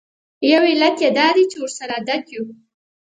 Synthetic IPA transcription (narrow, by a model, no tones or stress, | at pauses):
jawilat̪jed̪ɑd̪it͡ʃewəɾsaɾad̪akju